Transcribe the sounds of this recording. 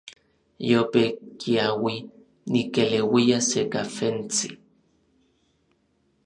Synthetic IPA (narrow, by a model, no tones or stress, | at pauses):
jopekiawi | nikelewiasekafent͡si